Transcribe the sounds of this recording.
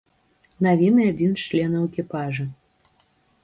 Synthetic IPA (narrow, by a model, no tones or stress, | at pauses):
navʲinɨad͡zʲint͡ʂlʲɛnɐwekʲipaʐɨ